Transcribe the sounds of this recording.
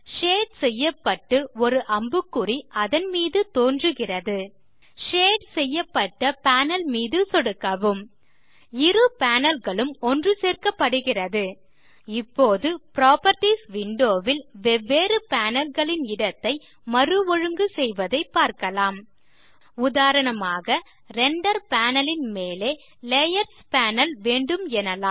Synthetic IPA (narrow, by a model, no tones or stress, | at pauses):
ʂeːɖsɛjːɐpːɐʈːɯɔɾɯʔɐmbɯkːɯriʔɐðɐnmiːðɯt̪oːndrɯɣɪrɐðɯ | ʂeːɖsɛjːɐpːɐʈːɐpaːnɐlmiːðɯsɔɽɯkːɐʋɯm | ɪrɯpaːnɐlɣɐɭɯmɔndrɯseːrkɐpːɐɽɯɣɪrɐðɯ | ɪpːoːðɯpɪɾaːpɐɾʈisʋɪɳɖoːʋɪlʋɛʋːeːɾɯpaːnɐlɣɐɭɪnɪɽɐt̪ːɐɪ | mɐɾɯʋɔɻɯŋɡɯsɛjʋɐðɐɪpːaːɾkɐlaːm | ʊðaːɾɐnɐmaːɣɐ | ɾɛɳɖɐɾpaːnɐlɪnmeːleː | lejɐɾspaːnɐlʋeːɳɖɯmɛnɐlaː